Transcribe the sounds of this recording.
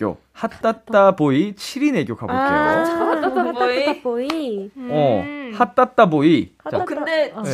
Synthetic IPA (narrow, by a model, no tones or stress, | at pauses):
jo̰ | hatt͈at͈̚aboit͡ɕʰiɾine̞ɡjokabo | oiiʌhat͈at̚t͈aboikɯnde